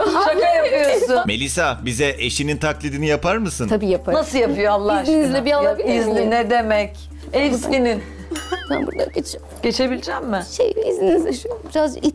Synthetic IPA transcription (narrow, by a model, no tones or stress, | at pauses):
t͡ʃakajapɯjosunmelʲisabizɛʔeʃinint̪ʰaklʲid̪inijapʰaɾmɯsɯnʰabiːjapʰaɾnasɯjapɯjoalˠːaih̪inizlʲɛbialˠaizlʲiinɛd̪e̞mɛc | ɛfsinin | sæ̰nbṵɾd̪a̰ɟʲet͡ʃʰi̥mɟ̥e̞t͡ʃʰe̞bilʲid͡ʒæmːɪʃḛjizninizlʲɛʃbiɾazi